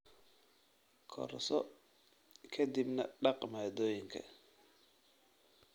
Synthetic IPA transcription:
kʰɔ̰ɾsɔ | kʰɐd̪ibnɐ̰ɖɑqʼmaːd̪oːjɪŋkʰɐ̰

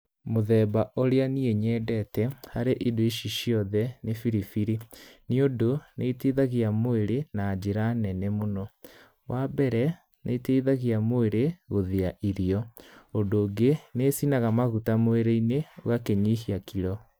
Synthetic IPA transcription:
moðɛːbaʔoɾeanieɲɛːdɛtɛhaɾeʔidoiʃiʃiɔðɛnefiɾifiɾiniodoneiteðaɣiamoeɾenaːd͡ʑeɾanɛnɛmonɔ | wʔabɛɾɛ | nʔḛiteiðaɣiamoeɾeɣoðeaʔiɾiɔondoːɡeneːsinaɣamaɣutamoeɾeinewakeɲihiakiɾɔ

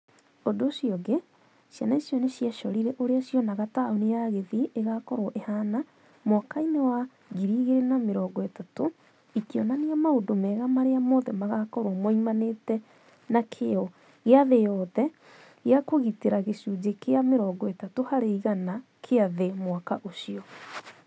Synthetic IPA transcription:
odoɕjɔɣe | ʃjanaesjɔneɕiaʃɔɾiɾɛʔoɾeaʃjɔnaɣataonejaɣeðieɣakɔɾoʔehana | mwakainewa | ɣiɾiːɣeɾenameɾɔːɡɔetato | ikiɔnaneamaondomɛɣamaɾeamɔðɛmaɣakɔɾwɔmwɔimanetɛ | nakʰeɔ | ɣeaðejɔðɛ | ɣeakoɣiteɾaɣeʃud͡ʑekeameɾɔːɡɔetatohaɾeiɣana | kʰeaðemwakaʔoɕiɔ

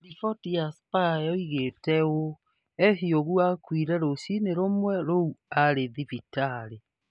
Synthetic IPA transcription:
ɾifɔtijaspaɛoiɣetɛo | ɛɦioɣuakwiɾɛɾoɕineɾomwɛɾouaɾeðifitaɾe

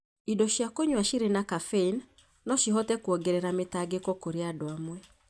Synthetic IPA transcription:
idɔʃjakoɲwaʃiɾenakafein | nɔʃiɦɔtɛkwɔɡɛɾɛɾametaɡekɔkoɾeadoamwɛ

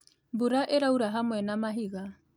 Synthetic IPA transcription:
buɾaʔeɾauɾaɦamwɛnamaɦiɣa

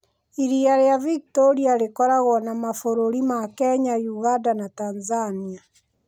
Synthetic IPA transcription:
iɾiaɾeavikitoɾiaɾekɔɾaɣɔnamafoɾoɾimakɛɲajuɣandanatanzania

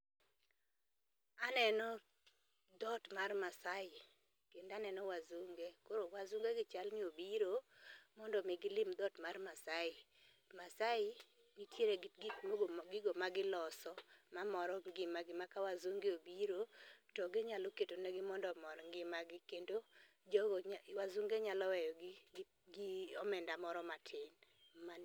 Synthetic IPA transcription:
anɛnɔ | d̪ɔtmarmasaɪ | kendanɛnɔwazoŋɡekoɾowazuŋɡeɡɪt͡ʃalnɪobiɾomɔndɔmɪɡɪlɪmd̪ɔtmarmasaɪ | masaɪ | ŋitjeɾeɡɪkwoɡɡɪɡɔmaɡɪlɔsɔmamɔɾɔŋɡɪmaɡɪmakawazuŋɡeobiɾotɔɡɪɲaloketonɛɡɪmɔndɔmɔɾɔŋɡɪmaɡɪkendo | wazuŋɡeɲalɔwɛjɔ | ɡɪɔmɛndamɔɾɔmatʰɪnma

